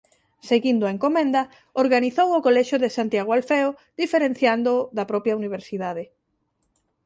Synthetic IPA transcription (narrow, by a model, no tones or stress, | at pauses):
seɣind̪ʊaeŋkomẽnd̪ɐ | oɾɣaniθowʊkolɛʃjʊðesant̪jaɣoalfɛo | d̪ifeɾen̟θjand̪ʊðɐpɾɔpjauniβ̞eɾsiðaðe